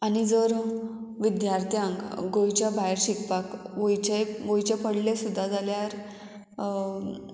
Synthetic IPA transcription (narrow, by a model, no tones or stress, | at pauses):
anid͡zəɾ | ʋid̪jaɾt̪ʰjãŋkɡojt͡ɕjabajɾɕikpakʋojt͡ɕeɡojt͡ɕepəɽlesud̪ʱːad͡zaljaɾ